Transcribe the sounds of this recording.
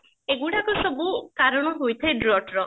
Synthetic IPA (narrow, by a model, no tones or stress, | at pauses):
eɡuɽakusɔbukaɾɔɽ̃ɔɦojt̪ʰajɖɾɔʈɾɔ